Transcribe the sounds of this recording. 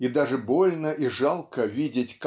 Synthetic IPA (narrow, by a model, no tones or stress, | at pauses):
id̪aʐɨbolʲnəʔiʐalˠkəvʲidʲɪtʲk